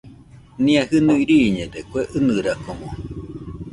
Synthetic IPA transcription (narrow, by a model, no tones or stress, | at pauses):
nĩahɨnuiɾiːɲed̪ekʷeʔɨnɨɾakomo